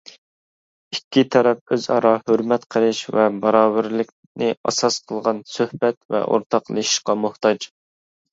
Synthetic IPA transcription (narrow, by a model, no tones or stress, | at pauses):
ikʲːit̪ʰɛɾɛp̚øzɑ̰ɾɑhøɾmɛt̪qʰəɾɨʃvɛbɑɾɑːbɪɾlɪkʲ | nɪɑ̰sɑsqʰəlˠʁɑnsøhbɛt̪vɛ̰ʔo̰ɾt̪ʰɑqlˠɨʃi̥ʃqɑmʊht̪ʰɑd͡ʒ